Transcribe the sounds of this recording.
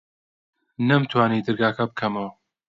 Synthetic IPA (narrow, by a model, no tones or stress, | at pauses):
nɐmt̪ʰwaːniːd̪ɨɾɡaːkʰɐbɨkʰɐmɐw